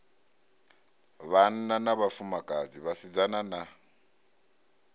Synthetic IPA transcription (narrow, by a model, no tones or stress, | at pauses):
βan̩nanaβafumakʼad͡ziβasid͡zanana